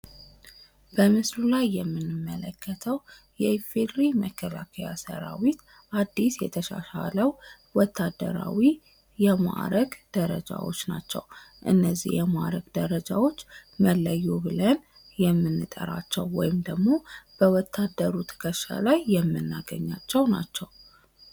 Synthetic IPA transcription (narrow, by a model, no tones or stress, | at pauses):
b̥əmɨslulajːɛmːɨnːɨmːələkʰːət̪ʰəw | jɛfed̪ɾiməkʰːəlakʰəjasə̰ɾawit̪ | ʔad̪ːisjɛt̪ʰəʃa̰ʃaləw | wɔt̪ʰːad̪ːə̰ɾa̰wi | jɛma̰ɾəɡd̪̥əɾəd͡ʒawo̞̰t͡ʃːnat͡ʃːɛ̰wʔɨnːəzːḭhjɛmaɾəɡd̪əɾəd͡ʒawo̞t͡ʃːməlːəjːubɨlən | jɛmːɨnːɨt̪ʼə̰ɾat͡ʃːɛwːɔ̰jɪmd̪əɡmo̞b̥əwɔt̪ʰːad̪ːəɾut̪ʰə̥kʰəʃa̰lajːɛmːɨnːaɡə̰ɲːat͡ʃːɛwnat͡ʃːɛw